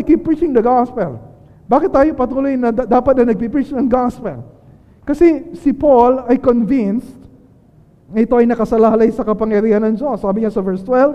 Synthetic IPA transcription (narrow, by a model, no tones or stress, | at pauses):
kipːɹit͡ʃɪŋd̪ɐɡaspɛl | baːkɪt̪̚ːaːjo̞pɐt̪uːlojnɐd̪aːpɐt̪̚ɐjnɐɡ̚pipɹit͡ʃnɐŋɡaspɛl | kɐsɛsɪpolɐjkonvinst̪̚ | ŋɐʔɪt̪o̞ʔɐjnɐkɐsɐlahɐlajsɐkɐpɐŋjɐɾiːhɐnɐŋd͡ʒosːaːbɪɲasɐvɛɹst̪wɛlv